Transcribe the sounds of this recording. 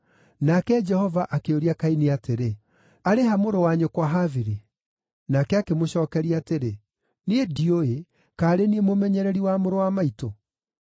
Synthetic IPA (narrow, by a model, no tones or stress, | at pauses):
nakɛd͡ʒɛhɔvaʔakeoɾiakainiateɾe | aɾeɦamoɾowaɲokwaɦaviɾi | nakɛakemoɕɔːkɛɾiateɾe | niedioe | kaːɾeniemomɛɲɛɾɛɾiwamoɾowamaito